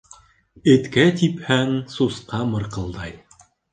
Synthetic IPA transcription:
ɘ̆t̪kæt̪iphæŋsusqɑmɤ̆ɾqɤ̆lˠd̪ɑj

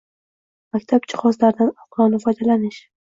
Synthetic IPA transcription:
makʲt̪ʰab̚t͡ʃʰɪ̥χɒzlaɾd̪anɒqlˠɒnɪfɒjd̪alanɪʃ

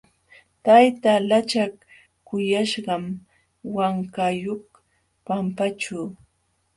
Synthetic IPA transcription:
t̪ajt̪alat͡ʃak | kːʊjaʃɢɑm | waŋkajoχ | pampat͡ʃuː

